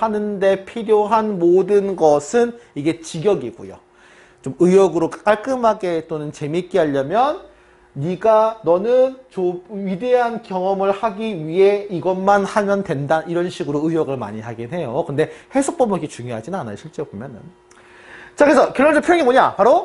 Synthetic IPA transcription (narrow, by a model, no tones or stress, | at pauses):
hanɯnde̞pʰiɾjoɦanmodɯnɡʌsʰɯniɡe̞t͡ɕiɡjʌɡiɡṵjo̰ | t͡ɕomɯjʌɡɯɾokk͈aɭk͈ɯmɦaɡe̞t͈onɯnt͡ɕe̞mik͈iɦaʎːʌmjʌnː | iɡanʌnɯnt͡ɕoɥide̞ɦankjʌŋʌmɯɭhaɡiɥiɦe̞iɡʌnmanhamjʌntwendaiɾʌnɕʰiɡɯɾoɯjʌɡɯɭma̰ɲiɦaɡinɦe̞jokɯnde̞he̞sʰok̚p͈ʌmiɡet͡ɕuŋjoɦad͡ʑinanajɕʰiɭt͡ɕ͈ebomjʌnɯ̰n | t͡ɕakɯɾesʰʌkjʌɭːʌd͡ʑʌpʰojʌŋiboɲa̰paɾo